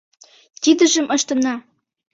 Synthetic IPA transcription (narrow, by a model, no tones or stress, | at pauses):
t̪ʲid̪ə̆ʒə̆mʔɤ̆ʃt̪ɤ̆nɑ